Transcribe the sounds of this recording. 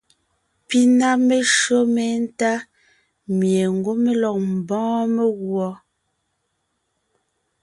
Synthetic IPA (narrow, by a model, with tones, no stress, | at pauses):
pi˦na˦me˦ʃɰo˦me˨˦n̩˦ta˦ | mje˨ŋ̩˨ɡo˦me˦lɔ˨k̚m̩˨bɔ̃ː˦me˦ɣwɔ˨